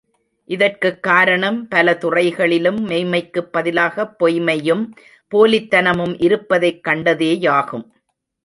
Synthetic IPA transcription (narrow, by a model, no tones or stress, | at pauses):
ʔɪðɐrkɯkːaːɾɐɳɐmpɐlɐt̪ʊrɐɪɣɐɭɪlɯmːɛɪmɐɪkːɯpːɐðɪlaːɣɐpːɔjmɐjɯm | poːlɪt̪ːɐnɐmɯmʔɪɾɯpːɐðɐɪkːɐɳɖɐðeːjaːɣɯm